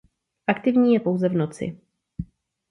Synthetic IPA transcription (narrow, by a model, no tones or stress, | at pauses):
ʔakt̪ɪvɲiːjɛpo̞wzɛvno̞t͡sɪ̰